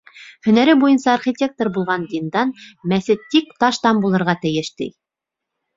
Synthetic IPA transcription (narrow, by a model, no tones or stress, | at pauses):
hɵ̆næɾɘbujɤnsɑːrχʲit̪ʲe̞k̚t̪ŏrbulˠʁɑnd̪ind̪ɑnmæθɘt̪ik̚t̪ɑʃt̪ɑmbulˠɤ̆ɾʁɑt̪ɘ̆jɘʃt̪ḭj